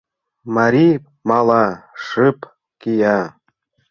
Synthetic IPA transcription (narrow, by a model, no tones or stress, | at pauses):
maɾʲi | mɑlˠɑʂɨp | kijɑ